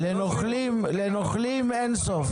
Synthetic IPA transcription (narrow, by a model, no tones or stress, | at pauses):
enoχlimlenoχlimensof